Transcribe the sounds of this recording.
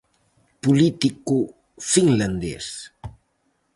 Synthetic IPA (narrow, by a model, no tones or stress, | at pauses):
pulit̪iku | fiŋland̪ɛ̰s